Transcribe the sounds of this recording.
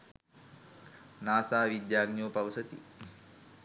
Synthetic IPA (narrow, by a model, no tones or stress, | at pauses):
naːsaːʋid̪jaːɡnjoːpɐʋsɐt̪ḭ